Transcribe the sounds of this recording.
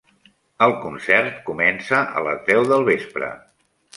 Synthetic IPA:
əlˠkunsɛrt̪kumɛnsəʔə̰ləzðɛwðəlˠβespɾə̰

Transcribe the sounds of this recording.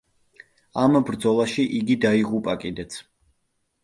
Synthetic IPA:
ambɾd̪zɔlˠaʃiʔiɡid̪aiʁupʼakʼid̪ɛt̪sʰ

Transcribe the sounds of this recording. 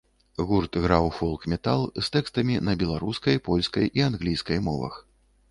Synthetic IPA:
ɣurt̪ɣɾawfɔlˠkmʲɛt̪alˠst̪ɛkst̪ɐmʲinɐbʲɛlˠaɾuskɐjpɔlʲskɐjianɣlʲijskɐjmɔ̰vɐ̰x

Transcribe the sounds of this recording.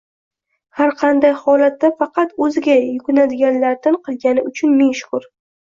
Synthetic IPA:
haɾqʰɑnd̪ajhɒlat̪ːafɑqʰɑt̪ɵzɪɡʲajʊkʲʊnad̪ɪɡʲanlaɾt̪ʰɪnqʰɨlˠɡʲanɪʊt͡ʃʰʊnmeŋʃʊ̥kʊɾ

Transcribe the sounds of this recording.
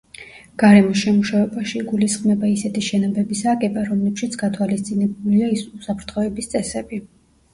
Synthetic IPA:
ɡ̥aɾɛmɔsʃɛmuʃavɛbaʃiɡulisχmɛbaisɛt̪ʰiʃɛnɔbɛbisakʼɛbaɾɔmlɛpʃit̪sʰɡ̥at̪ʰwalist̪sʼinɛbuliaisusapʰɾt̪ʰχɔɛbist̪sʼɛsɛbi

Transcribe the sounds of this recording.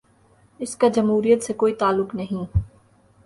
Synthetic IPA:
ɪskad͡ʒɐmɦuːɾijət̪sekoːit̪aːlːʊknɐɦĩː

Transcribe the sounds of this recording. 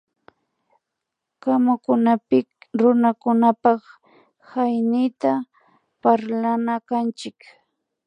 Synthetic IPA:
kamakʊnapɪ | ɾʊnakʊnapɑχ | hajnɪjt̪a | paɾlanakant͡ʃɪk

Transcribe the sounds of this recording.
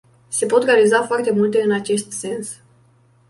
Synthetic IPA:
se̞po̞t̪re̞alizafoart̪e̞mult̪e̞ɨnat͡ʃe̞st̪se̞ns

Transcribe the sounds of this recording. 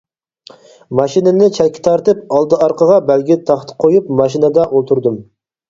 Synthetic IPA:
mɑʃinɪnɪt͡ʃʰɛlkʲi̥t̪ʰɑɾt̪ɨp̚ɑlˠd̪ɨɑɾqʰəʁɑbælɡʲit̪ʰɑχt̪ʰɨ̥qʰojupmɑʃinəd̪ɑʔolˠt̪ʰuɾd̪ɨm

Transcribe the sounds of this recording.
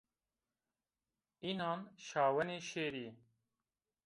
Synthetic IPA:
iːnɑːnʃɑːwɛneːʃeːɾiː

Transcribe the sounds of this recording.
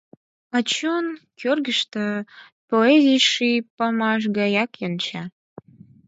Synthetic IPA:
ɑt͡ɕonkʰørɡəʃt̪ə̆ | poezijʃipəmɑʃ̬ɡɑjɑkjənt͡ɕɑ

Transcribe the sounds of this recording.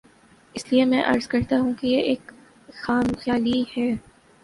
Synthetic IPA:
ɪsliemɛ̃ʔɐ̰ɾzkɐɾt̪aɦũkejeʔeːk | xaːmxjaːlihɛː

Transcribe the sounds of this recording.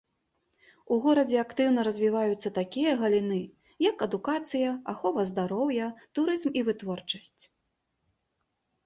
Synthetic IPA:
uɣɔɾɐd͡zʲɛakt̪ɨwnɐɾɐzʲvʲivajut̪sːɐt̪akʲijɐɣɐlʲinɨ | jɐkɐd̪ukat̪sɨjɐaxɔvɐzd̪aɾɔwjɐt̪uɾɨzmivɨt̪vɔrt͡ʂɐsʲt͡sʲ

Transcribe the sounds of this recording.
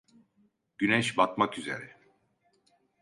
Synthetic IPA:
ɟ̥ynɛʃbat̪makyze̞̰ɾɛ

